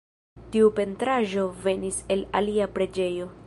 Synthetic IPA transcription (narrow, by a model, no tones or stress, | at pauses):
tiupe̞ntɾaʒo̞ve̞nise̞laliapɾe̞d͡ʒe̞jo̞